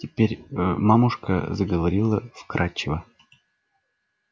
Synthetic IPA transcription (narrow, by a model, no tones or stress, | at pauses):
tʲɪpʲeɾʲmamʊʂkə̰zəɡəvɐɾʲilˠəfkɾʔat͡ɕːɪvə